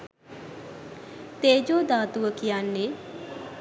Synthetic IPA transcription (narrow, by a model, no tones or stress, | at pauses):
t̪eːd͡ʒoːd̪aːt̪uʋəkijanːe